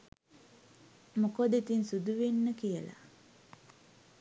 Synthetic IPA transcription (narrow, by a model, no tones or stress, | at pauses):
mukod̪et̪insud̪uʋenːəkijəla̰